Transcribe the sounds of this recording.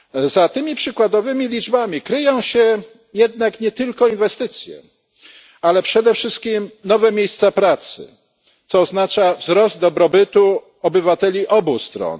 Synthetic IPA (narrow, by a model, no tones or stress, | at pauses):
zat̪ɘmʲipʂɘkwad̪ɔvɘmʲilʲid͡ʐbamʲikɾɘjɔ̃w̃ɕɛ | jɛd̪̚nakɲɛt̪ɘlkɔinvɛst̪ɘt̪sʲjɛ̰ | alɛpʂɛd̪ɛfʂɘst̪̚kʲimnɔvɛmʲjejst̪sapɾat̪sɘ̰ | t̪sɔːznat͡ʂavzɾɔzd̪̚d̪ɔbɾɔbɘt̪u | ɔbɘvat̪ɛlʲiʔɔbust̪ɾɔ̰n